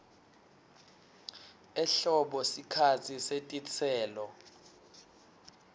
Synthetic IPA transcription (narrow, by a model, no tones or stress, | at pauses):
ɛɬɔɓɔsikʰat͡sʰisetʼit͡sʰɛːlɔ